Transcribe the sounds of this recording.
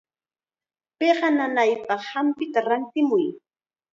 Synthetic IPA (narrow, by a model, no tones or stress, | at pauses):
peɢɑnanajpɑχhampɪt̪aɾant̪ɪmʊj